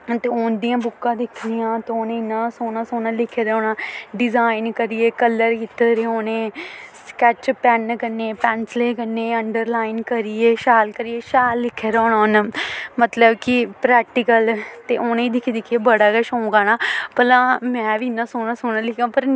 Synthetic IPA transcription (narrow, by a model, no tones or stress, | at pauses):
t̪eːoːnd̪ijãːbʊkːãːd̪ɪkʰnijãːt̪eoːnẽːɪnːãːsoːnãːsoːnãːlɪkʰːeːɾaːnãːɖɪzaːɪnkəɾɪjeːkələɾkit̪ːəɾeoːnẽːskɛt͡ʃpɛnkəneːpɛːnsleːkəneːəɳɖəɾlaːɪnkəɾieːʃaːlkəɾieːʃaːlːɪkʰːeːɾaːnaːnmət̪ləbkɪpɾɛːk̚ʈɪkəlt̪eːʔoːnẽːd̪ɪkʰid̪ɪkʰieːbəɽaːkəʃõːŋɡaːnaːpəlãːmɛ̃ːʋiɪnːãːsoːnaːsoːnaːlɪkʰãːpəɾ